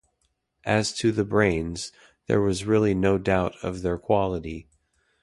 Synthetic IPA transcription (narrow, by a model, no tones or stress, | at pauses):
ʔɨz̥tʰɨðɨbɹẽɪ̃nz | ðə̰˞wʌzɹɪlˠinoʊdaʊɾʌ̰vðə˞kʰw̥ɑlˠəɾi